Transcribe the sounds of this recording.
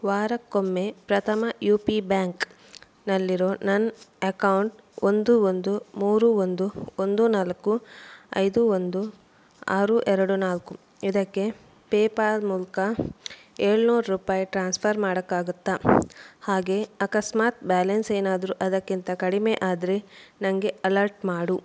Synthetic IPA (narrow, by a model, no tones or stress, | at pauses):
ʋaːɾɐkːomːe̞pɾɐt̪ʰɐmɐjuːpibaːŋk | nɐlːiɾo̞ːnɐnɐkɐwɳʈ | ond̪uond̪umuːɾuond̪uond̪unalɐkːuɐ̰jd̪uond̪u | aːɾuːʔɛɾɐɽunaːlku | id̪ɐkːe̞ | peːpaːɾmuːlkɐ | eːɭunuːɾɾuːpaːjiʈɾaːnspʰɐɾmaːɽɐkːaːɡut̪ːahaːɡe̞ɐkɐsmaːt̪̚baːlɐnse̞ːnaːd̪ɐɾuʔɐd̪ɐkːint̪ɐkɐɽimeːʔaːd̪ɾenɐŋɡe̞ɐlɐɾʈmaːɽu